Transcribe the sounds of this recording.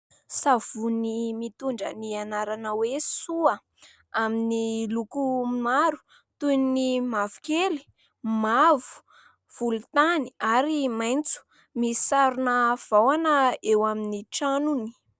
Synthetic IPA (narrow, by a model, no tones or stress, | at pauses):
sav̥unimit̪uɳɖ͡ʐə̰nianaɾanəwesuə | aminilukumaɾu̥ | t̪ujnnimavu̥keli̥ | mavu̥ | v̥ulut̪aniaɾimajnt͡su̥ | mii̥saɾunəv̥awanəewaminiʈ͡ʂanuni̥